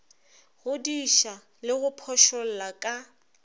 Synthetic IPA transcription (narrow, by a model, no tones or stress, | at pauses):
ɣʊdiʃa | lɪɣʊpʰɔʃɔl̩lakʼa